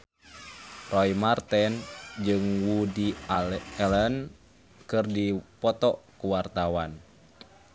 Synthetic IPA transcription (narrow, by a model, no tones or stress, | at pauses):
rɔjmart̪ɛnd͡ʒɨŋwudi | ɛlɛn | kɨrdipɔt̪ɔʔkuwart̪awan